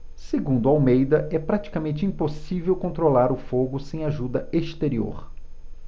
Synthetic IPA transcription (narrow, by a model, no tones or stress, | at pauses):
seɡũnd̪ʊawmejd̪ɐʔɛpɾat͡ʃi̥kamẽnt͡ʃɪĩposivewkõnt̪ɾolaɾʊfoɡʊsẽj̃aʒud̪ɐest̪eɾio̰ɾ